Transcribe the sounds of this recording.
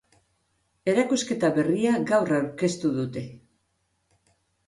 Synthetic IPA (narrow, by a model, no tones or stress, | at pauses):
e̞ɾakuske̞t̪aβe̞riaɡawrawɾke̞st̪uðut̪e̞